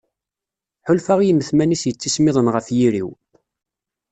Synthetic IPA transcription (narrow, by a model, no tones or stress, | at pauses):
ħʊlfaʁjəməθmænisjət͡sːismɪðˤənʁəfjiɾiw